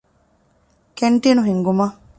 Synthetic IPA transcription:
keɳʈiːnuɦiŋɡumɐ

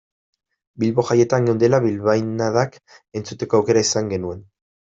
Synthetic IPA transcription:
bilβo̞ʝaje̞t̪aŋɡewnd̪elaβilβajnaðak | e̞nt͡sut̪e̞ko̞awke̞ɾaisaŋɡe̞nue̞n

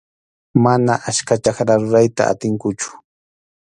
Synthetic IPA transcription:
manaʔaskat͡ʃaχɾaɾʊɾajt̪a̰a̰t̪ɪŋkʊt͡ʃʊ̥

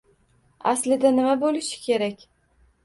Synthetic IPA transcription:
aslɪd̪anɪmabolɪʃɪ̥kʲʰe̞ɾakʲ

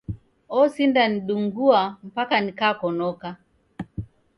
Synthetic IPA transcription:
ɔsindaniɗuŋɡuam̩pakanikaːkɔnɔka

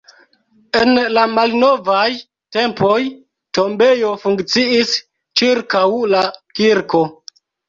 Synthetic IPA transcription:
e̞nlamalno̞vaj | te̞mpo̞j | to̞mbe̞jo̞fuŋkt͡siis | t͡ʃiɾkawlakiɾko̞

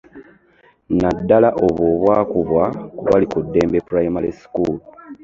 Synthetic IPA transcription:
nadːalaʔo̞βo̞ːβwaːkuβwakuβalikudːe̞ːmbepuɾajmalisi̥kuːl

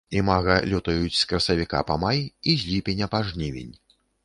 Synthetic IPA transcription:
imaɣɐlʲut̪ɐjut͡sʲskɾɐsɐvʲika̰pamajizʲlʲipʲenʲɐpaʐnʲivʲḭnʲ

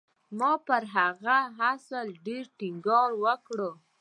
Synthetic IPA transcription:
mɑpəɾɦaɣaɦasəlɖeɾʈiŋɡɑɾwəkɽə

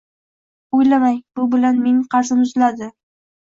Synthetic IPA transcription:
ojlamajbʊbɪlanmeŋqʰɑɾsɪmʊzlad̪ɪ

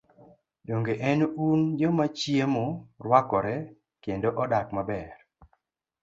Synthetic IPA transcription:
doŋɡeʔɛnund͡ʒɔmat͡ʃjemorwakɔɾɛ | kendoʔɔdakmabɛr

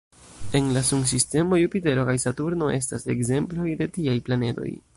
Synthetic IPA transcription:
e̞nlasuŋs̬iste̞mo̞jupite̞ɾo̞kajsatuɾno̞ʔe̞s̬ta̰se̞̰kze̞mplo̞jde̞tiajplane̞do̞̰j

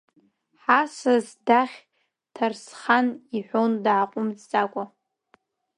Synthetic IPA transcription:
ħasazdaχʲ | tʰarsχaniħʷondʕaqʷʼʊmt͡sʼt͡sʼakʷʼa

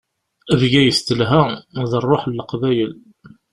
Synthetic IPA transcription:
əvɡæjəst̪əlɦæməðˤərˤːoħlːəqvæjəl

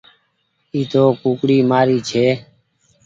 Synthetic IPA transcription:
iːt̪oːkũːkɽiːmaːɾiːt͡ʃʰeː

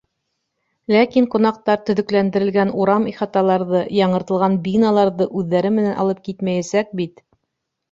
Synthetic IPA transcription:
lækiŋqŏnɑq̚t̪ɑɾt̪ɵ̆ðɵ̆klænd̪ɘ̆ɾɘ̆lɡænuɾɑmiχɑt̪ɑlˠɑɾðɤjɑɴɤ̆ɾt̪ɤ̆lˠʁɑnbinɑlˠɑɾðɤʔʉðːæɾɘmɘ̆nænʔɑ̰lˠɤp̚kit̪mæjæsæk̚bit̪

